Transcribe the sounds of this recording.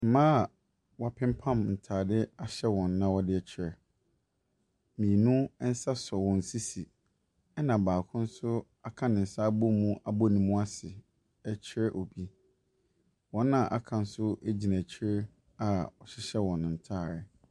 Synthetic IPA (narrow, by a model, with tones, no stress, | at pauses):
m̩˨mãː˦˨ | wɔ˨a˨pʰɪ̃˦m˦pʰã˦mn̩˨tʰaː˨dɪ˦a˦ɕɛ˦wɔ̃˨nːã˦wɔ˦dɪ˦ɛ˦t͡ɕʰɪ˦ɾɛ˨ | mĩ˨nũ˦n̩˦sa˦sɔ˨wɔ̃˨n̩˨si˦si˨ | ɛ˦nã˨baː˨kʰʊ̃˦n̩˦sʊ˦ | a˨kʰã˦nɪ̃˨n̩˨sa˦bo˦mũ˦ʔa˨bo˦nĩ˨mũ˦a˦sɪ˨ | ɛ˦t͡ɕʰɪ˦ɾɛ˦ʔɔ˨bi˦ | wɔ̃˨˦nːã˨ʔa˦kʰã˨n̩˦sʊ˦æ˦d͡ʑi˨næ̃˨t͡ɕʰɪ˦ɾɛ˦ | a˨ɔ˨ɕɪ˦ɕɛ˦wɔ̃˨ñ˨n̩˨tʰaː˦˨ɾɪ˨